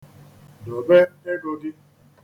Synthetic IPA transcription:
dɔ˨be˦e˦ɡo˧di˦

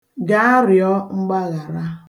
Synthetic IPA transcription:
ɡa˦a˦ɾjɔ˦ŋ͡m̩˦ɡ͡ba˦ɣa˨ɾa˦

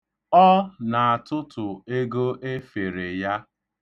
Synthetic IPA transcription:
ɔ˦na˨a˨tʊ˦tʊ˨e˦ɡo˦ʔe˦fe˨ɾe˨ja˦

